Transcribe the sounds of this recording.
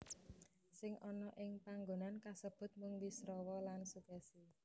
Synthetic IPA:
sɪŋʔɔnɔʔɪŋpaŋɡonankasəb̥ʊ̤t̪̚mʊŋwisɾɔwɔlansukasi

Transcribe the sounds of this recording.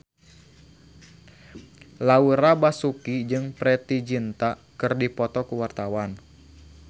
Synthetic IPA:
lauɾabasukid͡ʒɨŋpɾɛt̪id͡ʒint̪akɨrdipɔt̪ɔkuwart̪awan

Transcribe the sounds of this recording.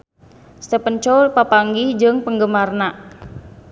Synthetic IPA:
st̪əpəɲt͡ʃɔlpapaŋɡid͡ʒɨŋpəŋɡəmarnaʔ

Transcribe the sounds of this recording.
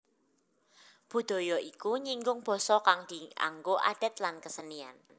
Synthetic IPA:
b̥ṳd̪̥ɔ̤jɔikuɲiŋɡʊŋb̥ɔ̤sɔkaŋd̪̥i̤a̰ŋɡoʔa̰ɖ̪̥ɛ̤t̪lankəsənia̰n

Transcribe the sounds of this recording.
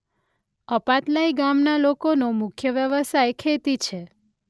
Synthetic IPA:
əpat̪laiɡamnalokonomʊkʰjəʋjəʋəsajkʰet̪it͡ʃʰe

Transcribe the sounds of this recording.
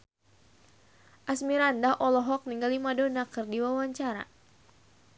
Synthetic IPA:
ʔasmiɾandaʔɔlɔɦɔk̚niŋɡalimadonakɨrdiwawaɲt͡ʃaɾa̰

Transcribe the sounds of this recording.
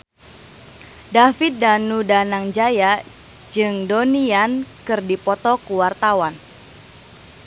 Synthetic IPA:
dafit̪̚danudanaŋd͡ʒaja | d͡ʒɨŋdoniankɨrdipɔt̪ɔkuwart̪awan

